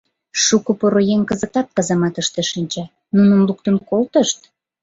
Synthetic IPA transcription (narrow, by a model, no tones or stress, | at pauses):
ʃukopoɾojeŋkəzə̆k̚t̪ɑt̪̚kɑzɑmɑt̪əʃt̪eʃinʲt͡ɕæ | nunəmluk̚t̪ənkolt̪əʃt̪